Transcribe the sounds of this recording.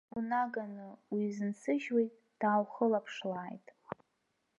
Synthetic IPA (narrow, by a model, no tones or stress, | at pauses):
unaɡanɨwizɨnsɨʒwe̞jtʼ | d̥aːwχəlapʰʂlaːjtʼ